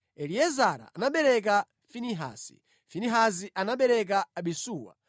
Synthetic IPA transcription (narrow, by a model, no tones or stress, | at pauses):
ɛliɛzaɾa̰ːnaɓɛɾɛk̬a | finiɦa̰ːsḭ | finiɦaziʔanaɓɛɾɛk̬aːɓisuːwa̰